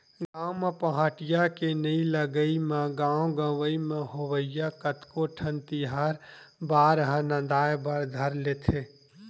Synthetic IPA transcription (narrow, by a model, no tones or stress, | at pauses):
ɡãːmapəɦaːʈɪjakenəĩləɡəimẽɡãːõɡə̃ʋəimẽɦoʋəɪjakət̪koʈʰənt̪iɦaːɾ | baːɾɦə̃nə̃nd̪aːjbaɾd̪ʱəɾleːt̪ʰeː